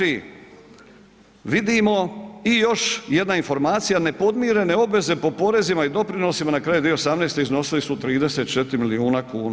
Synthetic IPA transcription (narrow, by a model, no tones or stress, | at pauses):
i | ʋid̪imo̞ijo̞ʃje̞d̪nainfo̞ɾmaːt̪sijane̞po̞d̪miːɾe̞ne̞o̞bʋe̞ze̞po̞po̞ɾe̞zimaid̪o̞pɾino̞simanakɾajud̪ijuosamne̞ːst̪eizno̞silisut̪ɾiːd̪e̞se̞t̪̚t͡ʃe̞t̪ɾimiliuːnakuːna